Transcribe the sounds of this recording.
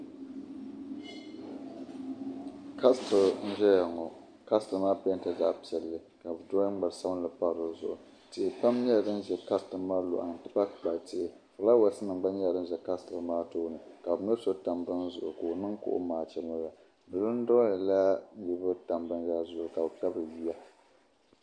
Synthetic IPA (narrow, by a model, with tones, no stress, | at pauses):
ka˦stɨ˨ln̩˦ʒɛ˦ja˨ŋɔ˨ | ka˦stɨ˨˦maː˦pɛ˦n˨tɨ˨da̰˦ʔpi˨ɛ˨lːɨ˦ka˨bɨ˨dɔː˦ɡ͡ba˨ɾsa˦bn˦lɨ˨pa˦ɾo˨zʊ˨ʔʊ˨ | tɪ˨ʔɪ˨pa˦mɲɛ˦a˨dɨ˦n˦ʒɛ˨ka˦stɨ˨˦maː˦lʊ̰˨ʔa̰˨n˨tɨ˦pa˦kk͡pa˨tɪ˦ʔɪ˨ | ka˨la˦wa˨˦sɨ˦nɨ˨ŋ͡mɡ͡ba˦ɲɛ˦a˨dɨ˦n˦ʒɛ˨ka˦stɨ˨maː˦toː˦nɨ˨ka˨bɨ˨nɛ˦so˦ta˨mbɨ˦n˦zʊ˨ʔʊ̰˨ko˨nɨ˦ŋkʊ̰˦ʔʊ̰˦maː˨t͡ʃɛ˦mɨ˦la˨ | dɨ˨lɨ˦n̩˦dɔ˦i˨la˦ji˦bɨ˦ta˨mbɨ˦n˦a˦˨zʊ˨ʔka˨bɨ˨ka˦bɨ˨ji˦ja˦